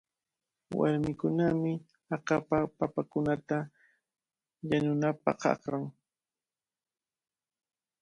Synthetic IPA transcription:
wa̰ɾmɪkʊnamɪ | ɑqapapapakʊnat̪a | ʎanʊnapɑ̰qɑ̰qɾaŋ

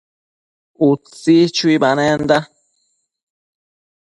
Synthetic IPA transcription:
ut͡sit͡ʃwibanɛnda

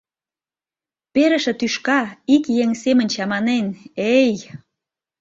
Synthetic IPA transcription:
peɾə̆ʃĕt̪yʃkɑikjeŋsemə̆nʲt͡ɕɑmɑnenej

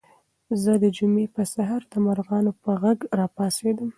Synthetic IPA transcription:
zəd̪əd͡ʒumepəsaɦɑɾd̪əmaɾɣɑnopəɣaɡɾɑpɑsed̪əm

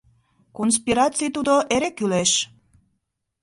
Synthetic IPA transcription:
kons̬piɾɑt͡sijt̪ud̪oʔeɾekyleʃ

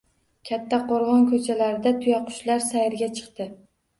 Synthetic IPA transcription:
kʲʰat̪ʰːaqʰoɾʁɒnkʰɵt͡ʃʰalaɾɪd̪at̪ʰʊjaqʰʊ̥ʃlaɾsajɪɾɡʲat͡ʃʰɨ̥qt̪ɪ

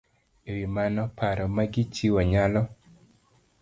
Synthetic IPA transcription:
ewimanɔpaɾɔmaɡɪt͡ʃiwɔɲalɔ

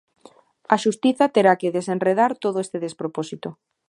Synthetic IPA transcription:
aʃust̪iθat̪eɾakeðesenreð̞aɾt̪oðoest̪eðespɾoposit̪o

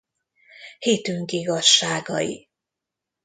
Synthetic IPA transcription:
hiːt̪yŋkiɡɒʃːaːɡɒ̰jḭ

